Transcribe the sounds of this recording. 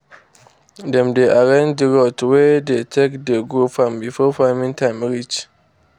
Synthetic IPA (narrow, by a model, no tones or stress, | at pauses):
dɛ̃mdeʔaɹɛ̃nd͡ʒdəɹotwɛdetʰekdɛɡofɹɔ̃mbifɔfamĩŋtʰãj̃mɹit͡ʃ